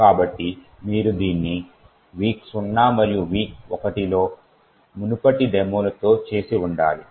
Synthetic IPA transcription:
kaːbɐʈːi | miːɾud̪iːnːi | ʋiːksunːaːmɐɾijuʋiːkɔkɐʈilo̞ː | munupɐʈid̪ɛːmolɐt̪o̞ːt͡ʃe̞ːsiuɳɖaːli

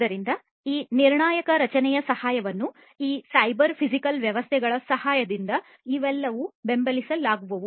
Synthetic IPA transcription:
d̪ɐɾind̪ɐ | iːniɾɳaːjɐkɐɾɐt͡ʃɐnɛjɐsɐhaːjɐʋɐnːu | iːsɐjbɐɾpʰisikɐlʋjɐʋɐst̪ʰɛɡɐɭɐsɐhaːjɐd̪ind̪ɐ | iʋɛlːɐʋube̞mbɐlisɐlaːɡuʋɐʋu

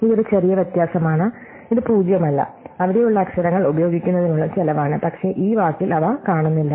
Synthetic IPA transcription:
iðo̞ɾut͡ɕɐrijɐʋjɐt̪jaːsɐmaːɳɨ | iðɨpuːd͡ʑjɐmɐlːɐ̰ɐʋiɽe̞juɭːɐːkʂɐɾɐŋːɐɭubɐjo̞ːɡikʲːunːɐðinuːɭːɐtɐlɐʋaːɳɨpɐkʂe̞ːʔiːʋaːkːilɐʋakaːɳunːilːɐ

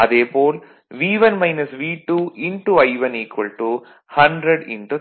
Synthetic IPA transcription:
ɐd̪eːpoːl | ʋiːʋɐnmɐjnɐsʋiːʈuiɳʈuɐjʋɐniːkʋɐlʈu | hɐɳɖɾeɖḭɳʈu

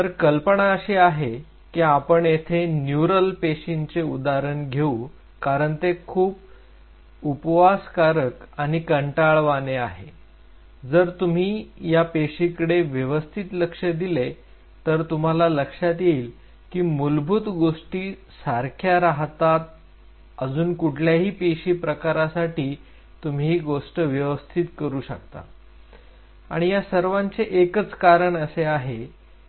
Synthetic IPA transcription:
t̪əɾkəlpəɳaəɕiaɦe | kiapəɳjet̪ʰenjuɾəlpeɕint͡seud̪aɾəɳɡʱeu | kaɾəɳt̪ekʰuːp | upʋaskaɾəkaɽ̃ikəɳʈaɭʋaneaɦe | d͡zəɾt̪um̤iːjapeɕikəɽeʋjəʋəst̪ʰit̪ləkʂəd̪ile | t̪əɾt̪um̤alaləkʂat̪jeiːl | kiːmulbʱut̪ɡoʂʈiː | saɾkʰjaɾaɦt̪at̪̚ | əd͡zuːnkuʈʰljaɦiːpeɕiːpɾəkaɾasaʈiː | t̪um̤iːɡoʂʈəʋjəʋəst̪ʰit̪kəɾuːɕək̚t̪a̰ | a̰ɽ̃ijasəɾʋãɲt͡seʔekət͡skaɾəɳəseaɦe

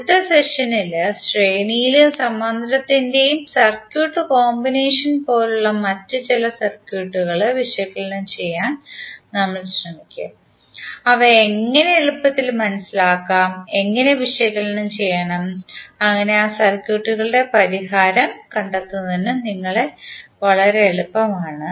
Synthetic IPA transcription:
t̪ːɐseʂɐnilɨsʈreːnijilusɐmːɐnd̪ʱɐɾɐt̪ːinde̞jumsɐrkjuːʈːɨko̞ːmbineːʂɐnpo̞ːluɭːɐmɐtːɨt͡ɕilɐsɐrkjuːʈːuɣɐɭʋiʂɐjɐkːɐɭinumt͡ɕe̞jːaːnnɐmːɐɭɕrɐmikʲːɨ̰ | ɐʋɐeŋːɐneeɭupːɐt̪ːilmɐnɐsilaːkːaːme̞ŋːɐne̞ʋiʂɐjɐkːɐlinumt͡ɕe̞jːɐɳɐmɐŋːɐne̞aːsɐrkjuːʈːuɣɐɭɨɽe̞pɐɾiɦaːɾɐmkɐɳɖɐt̪ːunːɐðenɨniŋːɐɭe̞ʋɐɭɐɾeːɭupːɐmaːɳɨ

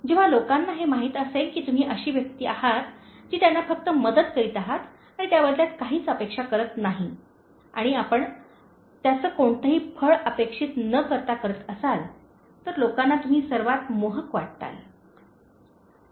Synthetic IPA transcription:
d͡ʑeʋ̤alokanːaɦemaɦiːt̪əselkiːt̪um̤iːʔəɕiːʋjək̚t̪iːʔahat̪d͡ʑiːt̪janːafək̚t̪əməd̪əd̪kəɾiːt̪aɦat̪ | aɽ̃it̪jaʋəd̪ljat̪̚kaɦiːt͡səpekʂakəɾət̪naɦi | a̰ɽ̃iapəɳ | t̪jat͡səːkoɳt̪əɦiːfʰəɭəpekʂiːt̪nəkəɾt̪akəɾət̪əsal | t̪əɾlokanːat̪um̤iːsəɾʋat̪moɦəkʋaʈ̚t̪a̰l

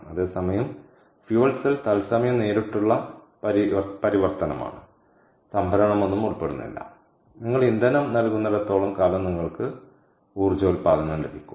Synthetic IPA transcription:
ɐðe̞ːsɐmɐjɐm | fjuʋɐlsilt̪ɐlsɐmɐjɐmne̞ːɾiʈːuɭːɐ | pɐɾipɐɾiʋɐrt̪ɐnɐ̰ma̰ːɳɨ | sɐmbʱɐɾɐɳɐmo̞nːumuɭpːeɽunːḭlːɐ̰ | niŋːɐɭind̪ɐnumnɐlkunːɐðet̪ːo̞ːɭɐmkaːlɐmniŋːɐɭkɨ | uːrd͡ʑoːlpaːðɐnːɐmlebikʲːum

